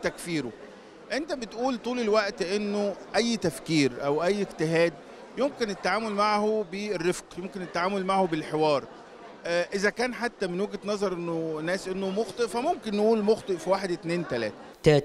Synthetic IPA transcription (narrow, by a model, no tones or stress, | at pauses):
t̪ækfiːɾo | ʔent̪æbet̪ʔuːlt̪ˤuːlelwæʔt̪ʔenːoʔæjːt̪æfkiːɾʔæwʔæjːekt̪eɦæːd̪ | jomkenet̪ːaʕaːmolmaʕhoberːefqjomkenet̪ːaʕaːmolmaʕhobelħewɑːɾˤ | ʔʔezækæːnħat̪ːæmenweɡt̪nɑzˤɑɾˤʔenːonːæːsʔenːomoxt̪ˤeʔfæmomkenːeʔuːlmoxt̪ˤeʔfiwaːħed̪ʔet̪neːnt̪ælæ̰ːt̪æ | t̪æ